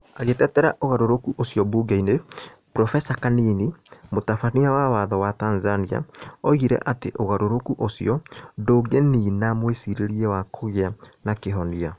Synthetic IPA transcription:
aɣetɛtɛɾaʔoɣaɾoɾokuʔosiɔbuɡaine | pɾɔfɛsakaninimotafaniawawaðɔwatanzania̰ɔiɣiɾɛ̰ʔateʔoɣaɾoɾokuʔosḭɔdoːɡeninamwesiɾeɾiɛwakʰoɣeanakeɦɔnia

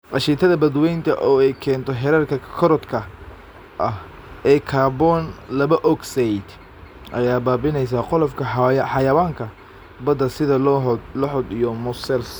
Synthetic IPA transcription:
qɑʃiːt̪ʰɐðɐbɐd̪wɛjnt̪ʰɐ̰ʔɔːɛjkʰɛːnt̪ʰɔɦɛɾɛrkʰɐkʰɔɾɔd̪kʰɐ | ʔɐh | ʔɛːkʰaːbɔnlɐβɐʔɔɡsɛjd̪̥ | ʔɐ̰jaːbaːbɪnɛjs̬aːqɔlɔfkʰɐjħɑjɐwaːŋkʰɐ | bɐd̪ɐsɪðɐllɔħɔd̪ijɔmʊsɛls

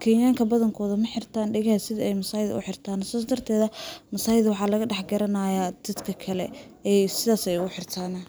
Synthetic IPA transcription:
kʰɛːjjaːŋkʰɐbɐðɐŋkʰɔːðɐmɐħɪrt̪ʰaːnɖɛɣɐhɐsɪðɐɛjmɐsaːjɪð̰ʊ̰ħɪrt̪ʰaːnsaːsd̪ɐrt̪ʰɛːðɐmɐsaːjɪðwɑħɑːlɐɣɐɖɛħɡɐɾɐnajaːd̪̥ɐd̪kʰɐkʰɐlɛɛjsɪðaːsɛjʊħɪrt̪ʰaːnɐ

